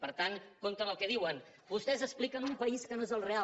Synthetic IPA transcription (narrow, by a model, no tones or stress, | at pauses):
pəɾt̪aŋkont̪ənəlˠkɛðiwən | bust̪ɛzəsplikənumpəiskənoezəlˠrea